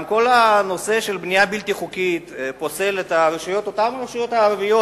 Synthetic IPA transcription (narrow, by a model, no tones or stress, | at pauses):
mko̞lano̞se̞ʃe̞lbnijabilt̪iχukit̪po̞se̞let̪aʁeʃujo̞t̪o̞tamaʁeʃujo̞t̪haːʁvijo